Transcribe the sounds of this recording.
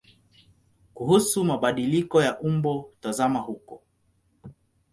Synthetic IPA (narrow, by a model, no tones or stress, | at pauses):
kuhusumaɓaɗilikɔjaʔumbɔtazamahukɔ